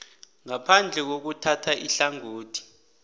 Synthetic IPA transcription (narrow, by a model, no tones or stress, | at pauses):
ŋapʰand͡ɮʱɛk̬ok̬utʰatʰaʔiɬaŋoːtʰi̥